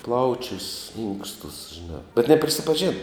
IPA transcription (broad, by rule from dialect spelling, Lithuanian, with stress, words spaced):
ˈplˠɐʊt͡ʃʲʊs ˈɪŋkstʊs ʒʲɪˈnɑː bʲɛt nʲɛpʲrʲɪsʲɪpɐˈʒʲeːnɐ